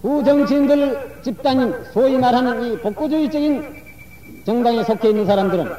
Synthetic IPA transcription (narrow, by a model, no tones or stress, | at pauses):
kud͡ʑʌŋt͡ɕʰiːndɯɭt͡ɕip̚t͈aɲinsʰoimaɾɦanɯnipok̚k͈od͡ʑuit͡ɕʌɡin | t͡ɕʌŋdaŋesʰokʰeinːɯnsʰaɾamdɯɾɯn